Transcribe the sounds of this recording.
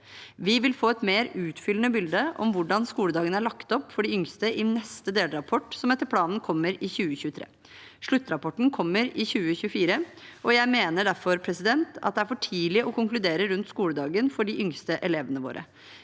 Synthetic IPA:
ʋɪʋɪlfoːɛt̪meːɾʉːt̪fʏlənəbɪld̪əʔɔ̰mʋʊɖɑnskuːləd̪ɑːɡənəæɭɑkt̪ɔpːfɔɖɪʏŋst̪əʔɪnɛst̪əd̪eːləɾɑpʰɔʈːsɔmɛt̪ːəɾpʰlɑːnn̩kʰɔmːəɾɪçʉːəçʉːt̪ʰɾḛː | ʂɭʉt̪ːɾɑpʰɔʈːn̩kʰɔmːəɾɪçʉːəçʉːəfiːɾəʔɔjæɪmeːnəɖæɾfɔɾpʰɾɛsɪd̪ɛnt̪ɑ̰d̪ɛæɾfɔʈʰiːlɪʔɔkʊŋklʉd̪eːɾəɾʉnt̪skuːləd̪ɑːɡənfɔɖɪʔʏŋst̪əʔɛleːʋənəʋo̰ːɾə̰

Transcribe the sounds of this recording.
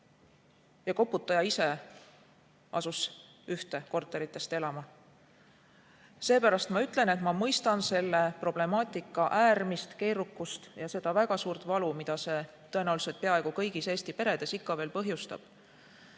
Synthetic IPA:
jɑko̞pːˑut̪ːˑɑjɑise̞ | ʔɑ̰sus | yht̪e̞ko̞rt̪ˑːe̞ɾit̪ːˑe̞st̪e̞lɑmɑ | se̞ːpæɾɑst̪mɑyt̪ːˑle̞ne̞t̪mɑmɤjst̪ɑnse̞lːe̞pro̞b̥le̞mɑːt̪ˑikːˑɑʔæːrmist̪ke̞ːɾukːˑust̪jɑse̞d̪̥ɑvæɡ̥ɑsuːɾt̪ˑvɑlumid̪̥ɑse̞ | t̪ɤ̞e̞næwluse̞lt̪̚peɑe̞ɡ̥ukɤ̞jɡ̥ise̞ːst̪ipe̞ɾe̞d̪̥e̞sikːɑve̞ːlpɤɦjust̪ɑ̰b̥

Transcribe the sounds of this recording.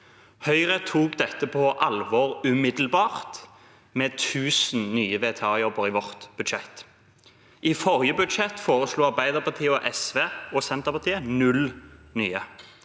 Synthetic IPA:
hœʏʁət̪ʰuːkd̪ɛt̪ːəpʰɔʔɑlʋɔːʁʉmɪd̪l̩bɑːʁt̪ | meːt̪ʰʉːsn̩nyːəʋeːt̪ʰɑːjɔbəɾɪʋɔʁt̪b̥ʉd̪ʃɛt̪ː | ʔɪfɔʁjəbʉd̪ʃɛt̪foːʁəsluːɑʁbæɪd̪əʁpɑʁt̪ʰiːəɔʔɛsʋeːɔsɛnt̪əpɑʁt̪ʰiːənʉlnyːə

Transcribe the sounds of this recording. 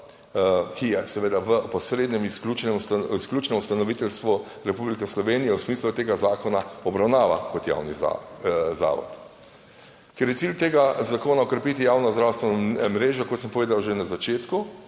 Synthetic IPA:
kijɛsɛʋeːd̪aʋəpɔsɾed̪nɛmskut͡ʃnɛmsklʲut͡ʃnɛmust̪anɔʋit̪ɛlst̪ʋu | ɾɛpublikɛslɔʋeːnijɛwsmiːslut̪eːɡazaːkɔnaɔbɾawnaːʋakɔt̪ja̰ːwniza̰za̰ːʋɔ̰t̪ | kɛɾjɛt̪silʲt̪eːɡazakoːnaɔkɾɛpit̪ijawnɔzd̪ɾaːwst̪ʋɛnmɾeːʒɔkɔt̪səmpɔʋeːd̪awʒenazat͡ʃeːt̪ku

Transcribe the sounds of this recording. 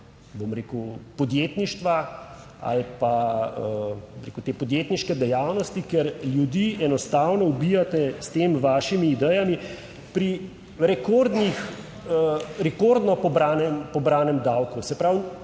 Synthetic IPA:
bomɾeːkəwpɔd̪jeːt̪niʃt̪ʋa | a̰lpaəoɾekuwt̪eːpɔd̪jeːt̪niʃkɛd̪ɛjaːwnɔst̪ikɛɾljud̪iːɛnɔst̪aːwnɔubijat̪ɛst̪eːmʋaːʃimiːd̪ɛjami | pɾi | ɾɛkoɾd̪nix | ɾɛkoɾd̪nɔpɔbɾaːnɛmpɔbɾaːnɛmd̪awkusɛpɾaw

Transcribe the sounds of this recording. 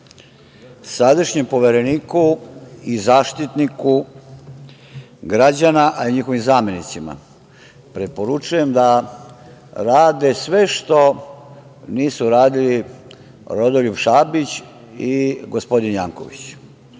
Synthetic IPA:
sad̪aʃɲempo̞ʋeɾeniːkuizaːʃt̪it̪niku | ɡɾad͡ʑanaʔaiɲixo̞ʋimzaːme̞nit̪sima̰ | pɾe̞po̞ɾut͡ʃuje̞md̪a | ɾaːd̪e̞sʋe̞ʃt̪o̞ | niːsuɾaːd̪ili | ɾod̪oʎupʃaːbit͡ɕ | iɡospo̞d̪injaːŋko̞̰ʋḭt͡ɕ

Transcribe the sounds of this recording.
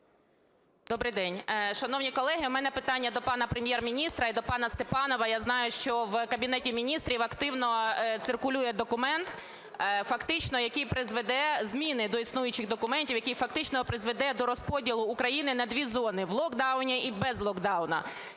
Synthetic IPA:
d̪ɔbɾɪjd̪ɛnʲʃɐnɔwnʲikɔlˠɛɦɪmɛnɛpɪt̪ɑnʲːɐd̪ɔpɑnɐpɾemʲjɛrmʲinʲist̪ɾɐid̪ɔpɑnɐst̪epɑnɔʋɐjaznɑjʊʃt͡ʃɔwkɐbʲinɛtʲimʲinʲist̪ɾʲiʋɐkt̪ɪwnɔt̪sɪrkʊlʲujɛd̪ɔkʊmɛnt̪ | fɐkt̪ɪt͡ʃnɔjɐkijpɾɪzʋed̪ɛzmʲinɪd̪ɔisnujʊt͡ʃɪɣd̪ɔkʊmɛnʲtʲiwjɐkijfɐkt̪ɪt͡ʃnɔpɾɪzʋed̪ɛd̪ɔɾɔspɔdʲilˠʊːkɾɐjinɪnɐd̪ʲʋʲizɔnɪʋlˠɔkd̪ɑwnʲiʔibɛzlˠɔɡd̪ɑwnɐ̰

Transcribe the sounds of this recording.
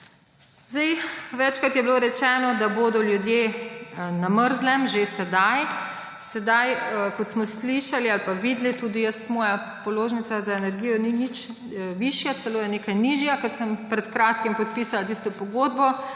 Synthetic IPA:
zd̪ɛjʋɛt͡ʃkɾat̪jɛbiloɾɛt͡ʃɛːnɔd̪aboːd̪ɔljud̪je | naməɾzlɛmʒesɛd̪aj | sɛd̪ajkɔt̪smɔsliʃalialpaʋiːd̪lit̪uːd̪ijəsmɔːja | pɔloːʒnit̪sazaenɛɾɡiːjɔninit͡ʃ | ʋiʃjat̪sɛloːjɛneːkajniʒjakɛɾsəmpɾɛt̪kɾaːt̪kimpɔt̪̚piːsalat̪iːst̪ɔpɔɡoːd̪bɔ

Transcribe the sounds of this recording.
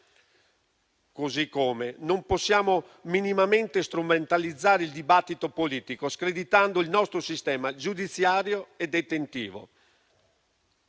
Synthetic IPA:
kozikːoːmenomposːjaːmo | minimament̪est̪ɾument̪alid̪zːaːɾeild̪ibat̪ːit̪opoliːt̪ikoskɾed̪it̪and̪oilnɔst̪ɾosist̪ɛːmad͡ʒud̪it̪sːjaːɾjoed̪et̪ent̪ḭːvo̰

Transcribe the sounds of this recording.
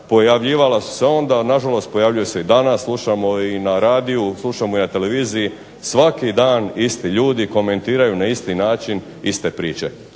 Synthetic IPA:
po̞jaʋʎiːʋalasu̥se̞o̞nd̪anaʒalo̞st̪̚po̞jaʋʎujeseid̪anasːlˠuʃamo̞inaɾaːd̪iuslˠuʃamo̞inat̪e̞le̞ʋiːziji | sʋakid̪aːnist̪iʎuːd̪iko̞me̞nt̪iːɾajunaist̪inaːt͡ʃin | ist̪e̞pɾiːt͡ʃe̞̰

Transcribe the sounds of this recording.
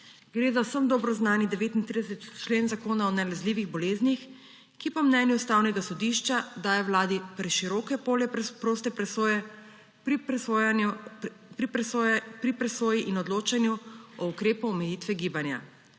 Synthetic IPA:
ɡ̥ɾeːzawsəmd̪ɔːbɾɔznaːnid̪ɛʋeːt̪int̪ɾid̪ɛsɛt̪t͡ʃleːnzakoːnaɔnɛlɛzliːʋiɣbɔleːznix | kipɔmnɛnjuust̪aːwnɛɡasɔd̪iʃt͡ʃad̪aːjɔwlaːd̪ipɾɛʃiɾɔːkɛpoɛpɾoːst̪ɛpɾɛsojɛ | pɾipɾipɾɛsoːjiʔinɔd̪loːt͡ʃanjuɔukɾeːpuɔmɛjit̪ʋɛɡiːbanja̰

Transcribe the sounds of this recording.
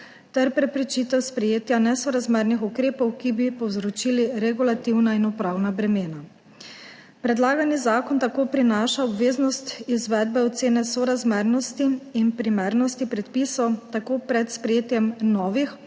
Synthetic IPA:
t̪ɛɾpɾɛpɾɛt͡ʃit̪ɛwspɾɛjeːt̪janɛsɔɾazmɛɾnixukɾeːpɔwkibipɔwzɾɔt͡ʃiliɾɛɡulat̪iwnainɔpɾaːwnabɾɛmeːna | pɾɛd̪laːɡanizaːkɔnt̪akoːpɾinaːʃaɔbʋeːznɔst̪izʋɛd̪̚bɛɔt̪seːnɛsɔɾazmɛɾnɔst̪iːnpɾimɛɾnɔst̪ipɾɛt̪pisɔwt̪akoːpɾɛt̪spɾɛjeːt̪jɛmnɔːʋix

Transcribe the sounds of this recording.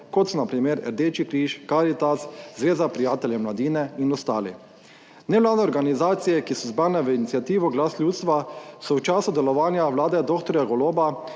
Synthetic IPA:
kɔt̪sɔnapɾimeɾɛ̰ɾd̪eːt͡ʃikɾiːʃkaɾit̪aszʋeːzapɾijaːt̪ɛljɛmlad̪iːnɛinɔst̪aːlḭ | nɛʋlaːd̪ɛoɾɡanizaːt̪sijɛkisɔzbɾaːnɛʋəinit̪sʲjat̪iːʋɔɡlaːslʲuːt̪st̪ʋasɔwt͡ʃaːsud̪ɛlɔʋaːnjaʋlaːd̪ɛd̪okt̪ɔɾjaɡɔloːba

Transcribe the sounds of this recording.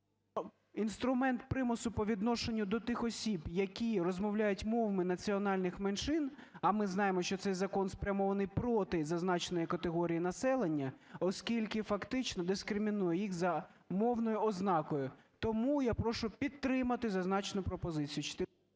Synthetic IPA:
inst̪ɾʊmɛnt̪̚pɾɪmʊsʊpɔʋʲid̪nɔʃenʲːʊd̪ɔt̪ɪxɔsʲibjɐkʲirɔzmɔwlʲajʊtʲmɔʋɐmɪnɐt͡sʲiɔnɑlʲnɪxmenʃɪn | ɐmɪznɑjemɔʃt͡ʃɔt̪sɛjzɐkɔnspɾʲɐmɔʋɐnɪjpɾɔt̪ɪzɐznɑt͡ʃnɔjikɐt̪eɦɔɾʲijinɐsɛlˠenʲːɐɔskʲilʲkɪfɐkt̪ɪt͡ʃnɔd̪ɪskɾɪmʲinujɛjixzɐ | mɔwnɔjʊɔznɑkɔjʊt̪ɔmujapɾɔʃʊpʲid̪̚t̪ːɾɪmɐt̪ɪzɐznɑt͡ʃnʊpɾɔpɔzɪt͡sʲijʊt͡ʃt̪ɪ

